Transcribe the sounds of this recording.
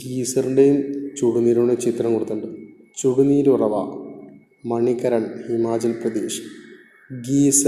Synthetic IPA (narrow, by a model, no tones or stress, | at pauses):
ɡiːsɐɾɳɖejumt͡ɕuɽuniːɾuɳet͡ɕit̪rɐŋkoɽut̪ːuɳɖɨ | t͡ɕuɽuniːɾurɐʋɐ̰ | mɐɳikɐɾɐɳhimaːd͡ʑɐlprɐd̪eːʂ | ɡiːs